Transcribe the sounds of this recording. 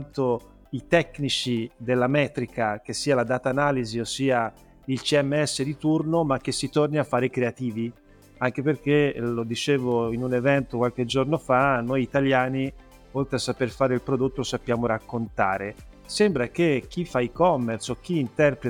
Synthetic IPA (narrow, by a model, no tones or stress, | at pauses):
nt̪o | it̪ɛkːnit͡ʃid̪elːamɛːt̪ɾikak̟esːiːalad̪aːt̪aːnaːliziosːiːa | ilt͡ʃiɛmːeɛsːed̪it̪urnomak̟ːesːit̪orniafːaːɾekɾeat̪iːvi | aŋk̟eperk̟elod̪it͡ʃeːvoinunevɛnt̪okwalk̟ed͡ʒornofanːojit̪aljaːni | olt̪ɾeasːaperfaːɾeilpɾod̪ot̪ːolosapːjaːmoɾakːont̪aːɾe | sembɾak̟ek̟ːifːaikɔmːersok̟ːiːnt̪ɛrpɾe